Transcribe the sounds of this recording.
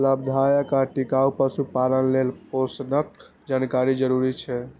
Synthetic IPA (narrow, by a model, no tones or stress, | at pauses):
ləb̚d̪ʱajəkaʈikaupəsupaɾənlelposnək̚ | d͡ʒankaɾid͡ʒəɾuɾit͡ʃʰɛ